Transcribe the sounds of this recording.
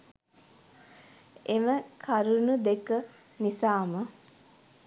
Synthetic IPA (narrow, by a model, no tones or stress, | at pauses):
eməkʰaɾunud̪ekə | nisaːmə